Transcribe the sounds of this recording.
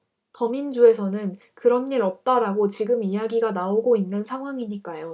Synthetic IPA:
tʌmind͡ʑue̞sʰʌnɯn | kɯɾʌnːiɾʌp̚t͈aɾaɡot͡ɕiɡɯmijaɡiɡanaoɡoinːɯnsʰaŋɦwaŋiɲik͈ajo

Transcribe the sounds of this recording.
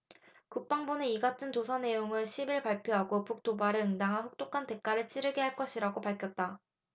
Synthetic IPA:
kuk̚p͈aŋboneiɡatʰɯnt͡ɕosʰane̞joŋɯɭɕʰibiɭpaɭpʰjoɦaɡopuk̚t͈obaɾɯɯŋdaŋɦanɸuk̚t͈ok͈ʰante̞k͈aɾɯɭt͡ɕ͈ʰiɾɯɡeɦaɭk͈ʌɕʰiɾaɡopaɭkʰjʌt̚t͈a

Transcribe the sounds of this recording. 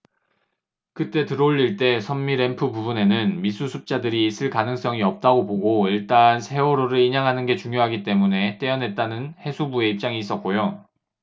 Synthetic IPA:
kɯt͈e̞tɯɾoʎːiɭt͈e̞sʰʌmmiɾe̞mpʰɯpubune̞nɯnmisʰusʰup̚t͡ɕ͈adɯɾiːs͈ʰɯɭkanɯŋs͈ʌŋiʌp̚t͈aɡopoɡoiɭt͈ansʰe̞oɾoɾɯɾiɲaŋɦanɯnɡe̞t͡ɕuŋjoɦaɡit͈e̞mune̞t͈e̞ʌnɦe̞t̚t͈anɯnhe̞sʰubue̞ip̚t͡ɕ͈aŋiːs͈ʌt̚k͈ojo

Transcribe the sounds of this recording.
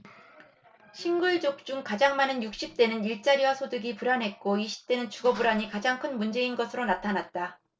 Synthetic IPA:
ɕʰinɡuɭd͡ʑok̚t͡ɕ͈uŋkad͡ʑaŋmanɯnjuk̚ɕ͈ip̚t͈e̞nɯniɭt͡ɕ͈aɾiwasʰodɯɡipuɾanɦe̞t̚k͈oiɕʰi̥p̚t͈e̞nɯnt͡ɕuɡʌbuɾaɲikad͡ʑaŋkʰɯnmund͡ʑe̞inɡʌsʰɯɾonatʰanat̚t͈a

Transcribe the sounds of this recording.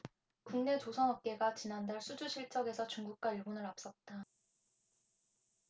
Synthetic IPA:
kuŋne̞t͡ɕosʰʌnɦʌp̚k͈e̞ɡat͡ɕinandaɭsʰud͡ʑuɕʰiɭt͡ɕ͈ʌɡe̞sʰʌt͡ɕuŋɡuk̚k͈waiɭbonɯɾap̚s͈ʌt̚t͈a

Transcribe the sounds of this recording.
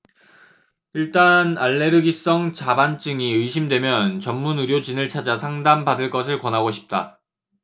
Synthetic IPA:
iɭt͈anaɭːe̞ɾɯɡis͈ʌŋt͡ɕabant͡ɕ͈ɯŋiɯjɕʰimdwe̞mjʌnt͡ɕʌmːunuɾjod͡ʑinɯɭt͡ɕʰad͡ʑasʰaŋdambadɯɭk͈ʌsʰɯɭkwʌnɦaɡoɕʰi̥p̚t͈a̰

